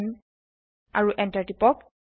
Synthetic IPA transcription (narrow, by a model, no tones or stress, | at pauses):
n | a̰ɹuʔɛntaɹtipɔk